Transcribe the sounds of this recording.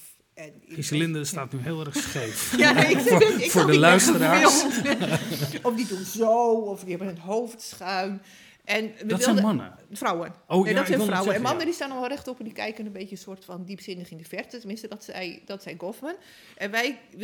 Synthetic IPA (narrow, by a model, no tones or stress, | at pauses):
ɛnisəlɪndəstaːtnyɦeːlˠɛrxsxefja | fʊɹdəlœɥstəɾaː | ɔfdituzowɔfdihɛbənətɦoːftsxaɥn | ʔɛnʋəʋɪllˠdmanə̰ | frawənoedɔtssɛawəɛnmanədistaːnɔʋɔlˠrɛxtɔpɛndikɛjkənənbeːtjəsoːrtfɔndipsɪndəxindəfɛrtətəmɪ̃nstədɔtsɛjd̥ɔtsɛjɡofmən | ʔɛnʋɛj